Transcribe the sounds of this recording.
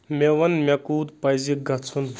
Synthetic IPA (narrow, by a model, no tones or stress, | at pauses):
mʲeʋɐnmʲekuːd̪pɐjziɡɐt͡sʰun